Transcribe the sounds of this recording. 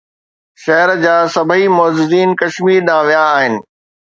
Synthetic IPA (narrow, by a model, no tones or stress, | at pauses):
ʃɐɦəɾd͡ʑaːsɐbʱimɔːzɪziːnkɐʃmiːɾɗãːʋijaːɦɪnɪ̆